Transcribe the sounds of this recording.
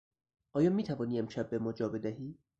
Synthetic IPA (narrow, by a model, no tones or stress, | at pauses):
ʔɒːjɒːmiːt̪ʰævɒːniːemʃæb̚ːe̞mɒːd͡ʒɒːbe̞d̪æɦiː